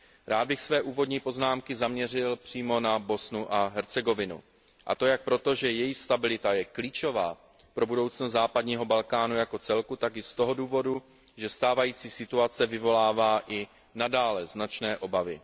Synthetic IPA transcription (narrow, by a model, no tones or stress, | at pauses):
ɾʔaːd̪̚bɪxsvɛːʔuːvo̞dɲiːpo̞znaːmkɪzamɲɛrɪlpr̝̥iːmo̞nabo̞snuʔaɦɛɾt͡sɛɡo̞vɪnṵ | ʔa̰t̪o̞jak̚pɾo̞t̪o̞ʒɛjɛjixst̪abɪlɪt̪ajɛkliːt͡ʃo̞vaː | pɾo̞budo̞wt͡snozzaːpadɲiːɦo̞balkaːnujako̞t͡sɛlkut̪akɪst̪o̞ɦo̞duːvo̞du | ʒɛst̪aːvajiːt͡siːsɪt̪uat͡sɛvɪvo̞laːvaːʔɪ | nadaːlɛznat͡ʃnɛːʔo̞bavɪ̰